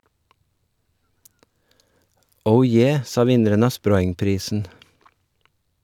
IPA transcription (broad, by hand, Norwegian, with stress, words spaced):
ˈəʊ ˈjeː ˈsɑː ˈʋɪnəɾən ˈɑː ˈspɾɔʏŋˌpɾiːsn̩